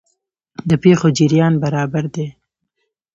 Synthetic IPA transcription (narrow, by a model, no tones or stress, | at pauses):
d̪əpexod͡ʒɪɾjɑnbaɾɑbaɾd̪e